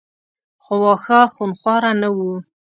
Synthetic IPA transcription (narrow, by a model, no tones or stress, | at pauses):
χowɑxaxunχwɑɾanawu